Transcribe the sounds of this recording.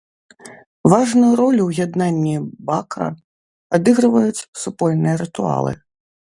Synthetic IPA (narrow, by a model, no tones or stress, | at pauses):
vaʐnujuɾɔlʲuwjad̪nanʲːibakɐ̰ | ad̪ɨɣɾɨvɐjut͡sʲsupɔlʲnɨjɐɾɨt̪ua̰lˠɨ̰